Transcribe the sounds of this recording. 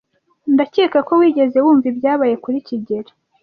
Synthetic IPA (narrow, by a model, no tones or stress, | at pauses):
ndaceːkako̞wiːɟe̞ze̞wuːɱvibjaːβaje̞kuɾiciɟe̞ɾḁ